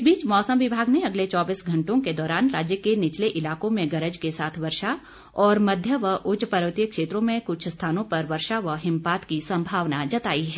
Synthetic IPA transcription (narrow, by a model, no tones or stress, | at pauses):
biːt͡ʃmɔːsəmʋɪbʱaːɡneɐɡlet͡ʃɔːbiːsɡʱɐ̃ɳʈõked̪ɔːɾaːnɾaːd͡ʒjəkenɪt͡ʃleʔɪlaːkõmẽɡɐɾəd͡ʒkesaːt̪ʰʋɐɾʃa | ɔːɾmɐd̪ʱjəʋəʔʊt͡ʃpɐɾʋət̪ijəkʃeːt̪ɾõmẽkʊt͡ʃʰst̪ʰaːnõpɐɾʋɐɾʃaʋəɦɪ̃mpaːt̪kisɐ̃mbʱaːʋnad͡ʒɐt̪aːiɦɛː